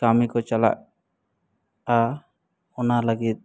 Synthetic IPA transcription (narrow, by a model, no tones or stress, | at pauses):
kamikɔt͡ʃala̰ʔ̚ | a | ɔnaləɡit̪̚